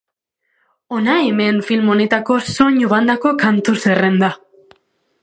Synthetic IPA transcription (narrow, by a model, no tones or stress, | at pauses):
onaeme̞nfilmo̞ne̞t̪ako̞soɲuβand̪ako̞kant̪usere̞nd̪a